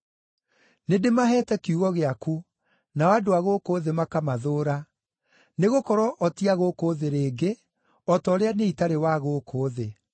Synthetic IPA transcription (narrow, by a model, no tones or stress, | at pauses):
nedemaɦɛːtɛkiuɣɔɣeaku | naɔadoaɣokoːðemakamaðoːɾa | neɣokɔɾɔʔɔtiaɣokoːðeɾeːɡe | ɔtɔɾeaneitaɾewaɣoːkʰoːðe